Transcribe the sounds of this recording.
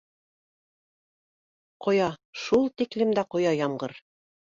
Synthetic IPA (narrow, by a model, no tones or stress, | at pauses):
qŏjɑʃulˠt̪iklɘ̆md̪æqŏjɑjɑɴɢɤɾ